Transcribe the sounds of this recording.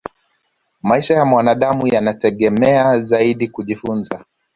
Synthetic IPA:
maiʃajamwanaɗamujanatɛɠɛmɛazaiɗikuʄifunza

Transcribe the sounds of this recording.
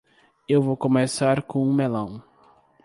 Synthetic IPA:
ewvowkõmesaɾkõũmelɐ̃w̃

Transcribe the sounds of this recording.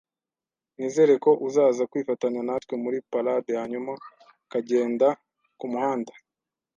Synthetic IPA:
niːze̞ɾe̞ko̞ʔuzaːzakwiːfataɲanatwe̞muɾipaladehaɲuma | kaɟe̞ːnda | kumuhaːndḁ

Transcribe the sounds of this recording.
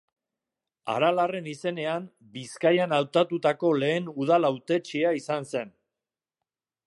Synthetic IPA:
a̰ɾalare̞nise̞ne̞am | biskajanawt̪at̪ut̪ako̞le̞ːnuð̞alawt̪e̞t͡ʃiaisanse̞n

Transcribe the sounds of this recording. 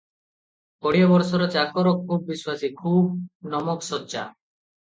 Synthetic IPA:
kɔɽiɔbɔɾsɔɾɔt͡ʃakɔɾɔkʰːubːiswasikʰub̚nɔmɔksɔtːt͡ʃa̰

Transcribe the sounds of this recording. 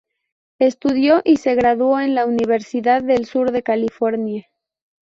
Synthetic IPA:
e̞st̪uðjo̞ʔise̞ɣɾaðwo̞e̞nlauniβ̞e̞ɾsiðaðːe̞lsuɾðe̞kalifo̞ɾnja

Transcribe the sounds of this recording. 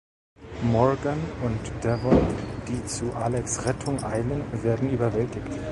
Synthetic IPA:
mɔɐɡanʊntd̥ɛvɔnd̥iːt͡suʔalɛksʁɛtʰʊŋʔaɪlənveːɐdn̩yːbɐvɛltɪçt

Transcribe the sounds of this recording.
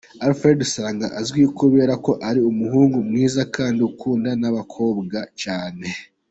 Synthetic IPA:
aɾfɾe̞dusaːŋɡaʔazɡwiukuβe̞ːɾako̞ʔaɾiumuhuːŋɡumŋiːzakʰaːndiukʰuːndanaβakʰo̞ːbɡat͡ʃaːne̞

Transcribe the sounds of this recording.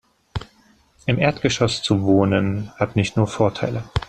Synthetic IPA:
ʔɪmʔeːɐtɡ̥əʃɔst͡suvoːnənhatnɪçtnuːɐfoːɐtʰaɪlə

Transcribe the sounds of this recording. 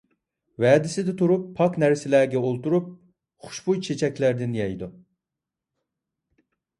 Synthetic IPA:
vɛːd̪ɪsɪd̪ɪt̪ʰuɾupʰːɑknæɾsɪlæːɡʲɛolˠt̪uɾup̚ | χu̥ʃbujt͡ʃʰet͡ʃʰɛkʲlæɾd̪ɪnjɛjd̪u

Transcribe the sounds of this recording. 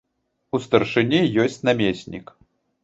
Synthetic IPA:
ust̪ɐrʂɨnʲijɔsʲt͡sʲnamʲesʲnʲḭk

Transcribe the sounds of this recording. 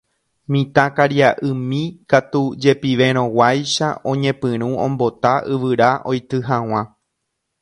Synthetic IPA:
mĩt̪ãkaɾjaʔɨmĩkat̪ud͡ʒe̞piʋẽ̞ɾ̃õ̞wajʃa̰õ̞ɲẽ̞pɨ̃ɾ̃ũõ̰mbo̞t̪aʔɨʋɨɾaʔo̞jt̪ɨɦãw̃ã

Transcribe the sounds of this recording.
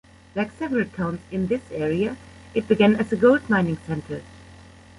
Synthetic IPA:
laɪksɛvəɹəlˠtʰãʊ̃nzɪ̃nðɪsɛɹiəɨt̚b̥ɨɡæ̃nɨzəɡoʊldmãɪ̃nɪ̃ŋsɛ̃ntʰə˞

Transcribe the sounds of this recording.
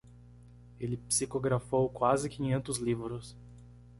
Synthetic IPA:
elɪpsikoɡɾafowkwazɪkĩɲẽnt̪ʊzlivɾʊs

